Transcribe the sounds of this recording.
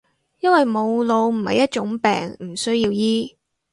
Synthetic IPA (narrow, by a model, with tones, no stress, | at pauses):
jɐ˥nwɐ˨jmo˨˧wlo˨˧wm̩˨˩hɐ̰˨jːɐ˥t̚t͡ʃʊ˨˥ŋpɛ̰ː˨ŋm̩˨˩sɵ˥ɥjiː˧wjiː˥